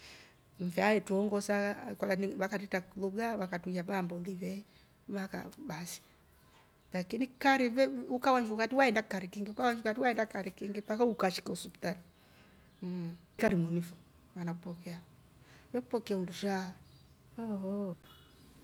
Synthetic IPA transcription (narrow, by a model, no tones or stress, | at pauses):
m̩fɛajɛtuɔŋɡɔsakɔlaniβakatɛtakuluɡawakatujaβambɔliβɛ | βaka̰basi̥ | lakinikaɾiβɛukawaɲd͡ʒukatiwaɛndakaɾikiŋɡiukawaɲd͡ʒukatiwaɛndakaɾikiŋɡipakaukaʃi̥kausupi̥tani | kaɾimunifu | wanakupɔkɛa | wɛkupɔkɛaunduʃa | ɔɔ